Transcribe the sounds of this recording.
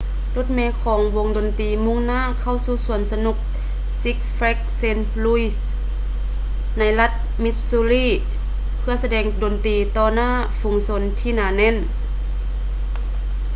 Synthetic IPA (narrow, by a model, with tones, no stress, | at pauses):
lo˧˥˦t̪̚mɛː˧kʰɔː˨˦ŋwo˧˦ŋdo˨nt̪iː˨˩mu˧˥˨ŋnaː˧˥˨kʰa˧˩˨wsuː˧˩su˨˩˦ənsa˧nu˧˩k̚ | si˧˦k̚sfɛ˧˥k̚se˧n | lu˧˥i˧˩s | na˧˥jla˧t̪̚ | mi˧t̪̚suː˧liː˧˥˨ | pʰɯ˧ɐsa˧dɛː˧˩ŋdo˨˩nt̪iː˨˩t̪ɔː˧naː˧˥˨ | fu˨˦ŋso˧˦nt̪ʰiː˧˨naː˨˧˦nɛ˧˥˨n